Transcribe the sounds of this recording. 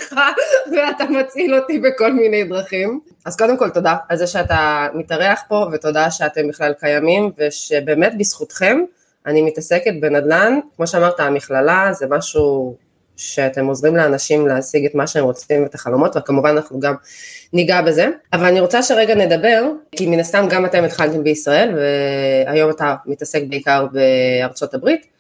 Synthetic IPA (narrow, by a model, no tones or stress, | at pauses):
χaveatamat͡silo̞tibeko̞lminejd̪ʁaχim | azko̞d̪e̞mko̞lto̞daalzeʃeatamitaʁe̞aχpo̞veto̞daʃeate̞mbiχlalkajamimveʃe̞be̞ːme̞tbisχutχe̞m | animitase̞ket̚be̞nad̪lankmoʃeamaʁt̪aːmiχlalazemaʃu | ʃe̞ate̞mo̞zʁimleanaʃimleasiɡetmaʃeemʁo̞t͡simet̪aχalo̞mo̞tvekamuvananaχnuɡamniɡabe̞ze̞avalaniʁo̞t͡saʃe̞ʁeɡane̞d̪abe̞ʁkiminast̪amɡamate̞met̪χaltembeisʁae̞lveajo̞matamitase̞k̚beikaʁbe̞aʁt͡so̞tabʁit